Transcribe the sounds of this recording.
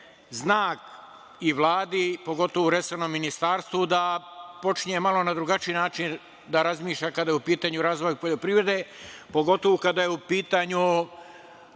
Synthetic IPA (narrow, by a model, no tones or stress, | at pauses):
znaːk | iʋlˠaːd̪ipo̞ɡo̞t̪o̞ʋouɾesonomːinist̪aːɾst̪ʋud̪apo̞t͡ʃɲe̞malˠo̞nad̪ɾuɡat͡ʃiinaːt͡ʃin | d̪aɾazmiːʃʎakad̪ajupiːt̪aːɲuɾaːzʋo̞jpoʎo̞pɾivɾe̞d̪e̞po̞ɡo̞t̪oʋukad̪ajeupiːt̪aɲu